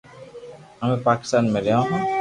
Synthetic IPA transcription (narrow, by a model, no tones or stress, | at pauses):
amẽpaki̥st̪aːnmẽɾeãɦɔ̃